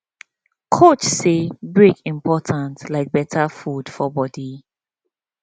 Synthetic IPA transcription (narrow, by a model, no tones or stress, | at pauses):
kʰot͡ʃsebɹekĩmpʰɔtʰãntlaɪk̚bɛtʰafud̥fɔbɔdi